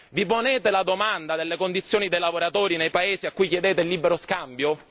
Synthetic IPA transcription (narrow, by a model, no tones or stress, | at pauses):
viponeːt̪elad̪omand̪ad̪elːekond̪it̪sːjoːnid̪ejlavoɾat̪oːɾinejpaeːziakːujkjed̪eːt̪elːibeɾoskambjo